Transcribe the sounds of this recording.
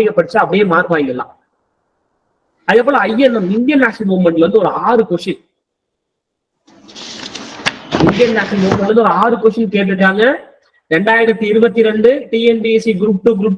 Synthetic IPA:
ɪkːɐpːɐɽɯt͡ʃːɯɐpːɐɽɐjeːmaːɾpaːjŋɡɐlːa̰ː | ɐðɛpːɔːɭɐ̃ɐjɛnːɐmɪnd̪jɐnːaːsimuːmɐɳʈʋɐnd̪ɯɔɾɯaːɾɯkɔʂɐn | ɪnd̪ɪjɐnːaːsimuːmʋɐnd̪ɯɔɾɯaːɾɯkɔʂɐnkeːʈ̬ːɯʈːaːŋɡɐ | ɾɛɳɖaːjɪɾɐt̪ːiɪɾɯbɐt̪ːiɾɛɳɖɯʈiːɛnbisiɡɾuːp̚ʈɯɡɾuːp̚

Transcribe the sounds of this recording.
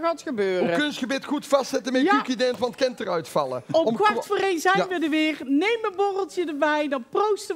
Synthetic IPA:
ɣaːtxəbøːurəkønsxəbɪtxutfɑstsɛtəmɛtykidɛntʋɑntkɛntərœɥtfɑlˠə̰ɔmɔmkʋaɹtfoːrejnzɛjnʋədəʋɪːrnejmənbɔrəlˠtjədəbɛjdɑnprowstə

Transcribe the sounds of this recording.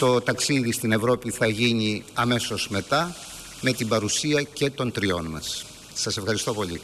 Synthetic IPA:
t̪o̞t̪ɐksiðist̪ine̞vɾo̞piθɐʝiɲiɐme̞so̞z̥me̞t̪ɐ | me̞t̪imbɐɾusiɐce̞t̪o̞nt̪ɾio̞nmɐ̰sː | ɐse̞fxɐɾist̪o̞po̞lḭ

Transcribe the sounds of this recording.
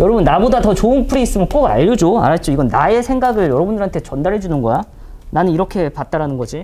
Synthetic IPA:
jʌɾʌbunːabodatʌt͡ɕoɯnpʰɯɾiːs͈ɯmjʌnk͈ʌɡa̰ʎːʌd͡ʑoa̰ɾat͡ɕ͈oiɡʌnːae̞sʰeŋɡaɡɯɭjʌɾʌbundɯɾɦantʰe̞t͡ɕʌndaɾɦe̞d͡ʑunɯnɡʌja | nanɯniɾʌkʰe̞pat̚t͈aɾanɯnɡʌd͡ʑi

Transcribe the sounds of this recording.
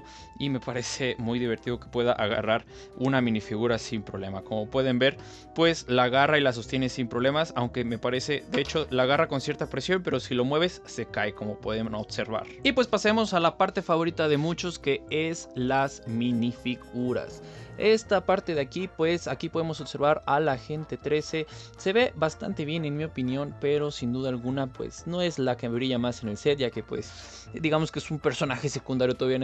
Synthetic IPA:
ime̞paɾe̞se̞mujðiβ̞e̞ɾt̪iðo̞ke̞̥pwe̞ðaʔaɣa̰raɾ | unamĩnifiɣuɾasimpɾoβle̞mako̞mo̞pwe̞ðe̞mbe̞ɾ | pwe̞slaɣarailas̬o̞st̪je̞nesimpɾoβle̞masawŋke̞me̞paɾe̞se̞ðeet͡ʃo̞laːɣarako̞nsje̞ɾt̪apɾe̞sjo̞mpe̞ɾo̞silo̞mwe̞β̞e̞sːe̞kaeko̞mo̞pwe̞ðeoβse̞ɾβa̰ɾipwe̞spasemo̞salapaɾt̪e̞faβo̞ɾit̪aðe̞mut͡ʃo̞ske̞eslazminifiɣuɾa̰s | e̞st̪apaɾt̪e̞ðeakipwe̞sakipo̞ðemo̞so̞βse̞ɾβaɾalaxe̞nt̪e̞t̪ɾe̞se̞ | se̞βe̞βast̪a̰nt̪e̞β̞je̞ne̞nmio̞pinjo̞npe̞ɾo̞sind̪uðaːlɣunapwḛsno̞e̞zlakemeβɾiʝamase̞ne̞lse̞t̪̚ʝake̞pwe̞̰s | d̪iɣamo̞skeesumpe̞ɾso̞naxe̞se̞kund̪aɾjot̪oaβia

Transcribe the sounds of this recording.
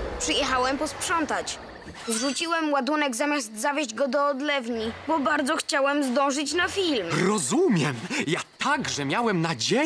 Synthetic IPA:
pʂɘjɛxawɛmpɔspʂɔnt̪at͡ɕ | zʐut͡ɕiwɛmwad̪unɛɡzamʲjazt̪zavʲjeʑd͡ʑɡɔd̪ɔːd̪lɛvɲibɔbaɾd̪zɔxt͡ɕawɛmzd̪ɔ̃w̃ʐɘt͡ɕnafʲilmɾɔzumʲjɛmjat̪aɡʐɛmʲjawɛmnad͡ʑe

